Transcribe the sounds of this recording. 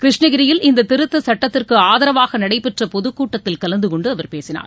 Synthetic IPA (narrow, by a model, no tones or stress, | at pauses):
kɪɾɪʂɳɐɣɪɾɪjɪlɪnd̪ɐt̪ɪɾɯt̪ːɐsɐʈːɐt̪ːɪrkɯaːðɐɾɐʋaːɣɐnɐɽɐɪpːɛʈrɐpɔðɯkːuːʈːɐt̪ːɪlkɐlɐnd̪ɯkɔɳɖɯɐʋɐɾpeːsɪna̰ːɾ